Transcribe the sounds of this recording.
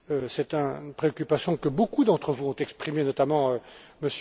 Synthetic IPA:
øsɛt̪ɛ̃npχeɔkʲypasjɔ̃kəbokud̪ɑ̃t̪χəvuɔ̃t̪ɛkspχimenɔt̪amɑ̃øməs

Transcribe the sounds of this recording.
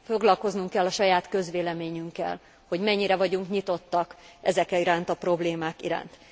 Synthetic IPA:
fo̞ɡlɒlko̞znuŋkːɛlːɒʃɒjaːt̪kø̞zʋeːlɛmeːɲyŋkːɛ̰l | ho̞ɟmɛɲːiɾɛvɒɟuŋkɲit̪o̞t̪ːɒkɛ̰zɛkɛiɾaːnt̪ɒpro̞bleːmaːkiɾa̰ːnt̪

